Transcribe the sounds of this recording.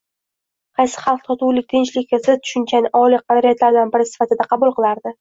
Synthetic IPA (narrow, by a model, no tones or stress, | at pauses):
qʰɑjsɪ̥χɑlˠq̚t̪ʰɒt̪ʰuwlɪk̚ʲt̪ʰɪnt͡ʃlɪkʲːɪzɪt̪ʰʊ̥ʃʊnt͡ʃʰanɪʔɒliq̚ʰːɑɾaɾajat̪laɾd̪anbɪɾɪsɪ̥fat̪ɪd̪aqʰɑbʊlˠqɨlˠaɾd̪ɪ